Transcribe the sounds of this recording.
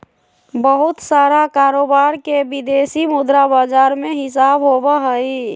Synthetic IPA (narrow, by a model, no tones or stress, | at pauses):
bəɦʊt̪saːɾakaɾoːbaɾkebid̪esimʊd̪ɾabad͡ʒaɾmeɦɪs̬aːbɦobaɦəi